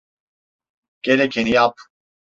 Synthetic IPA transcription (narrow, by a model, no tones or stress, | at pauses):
keɾekʰeniaːp̚ʰ